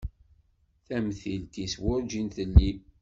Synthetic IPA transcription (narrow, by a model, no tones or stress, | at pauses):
θæmθilt̪iswʊɾd͡ʒinθəlːi